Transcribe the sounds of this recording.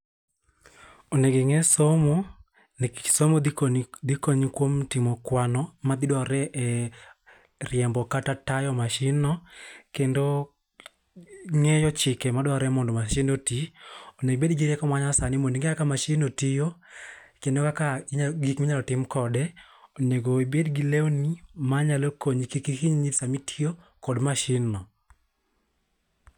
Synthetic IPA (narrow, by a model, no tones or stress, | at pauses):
oneɡɪŋɛsomo | nsomodd̪ikoɲkwomtɪmɔkwanɔmad̪ɪdwaɾɛʔɛ | rjɛmbɔkatatajɔmaʃɪnɔkendo | ŋejɔt͡ʃɪkɛmadwaɾɛmɔndɔmaʃinotioneɡbedɡeɾɛkɔmaɲasanɪmoniŋɡeakamaʃinotijokendokakaɲaɡikmaɲalɔtɪmkɔdɛ | oneɡoibedɡilewnimaɲalokoɲkikikiɲɲisamitʰio | kɔdmaʃɪnɔ